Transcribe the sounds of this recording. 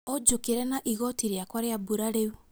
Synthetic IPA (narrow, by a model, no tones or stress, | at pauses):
ɔd͡ʒokeɾɛnaʔiɣɔtiɾjakwaɾjabuɾaɾeu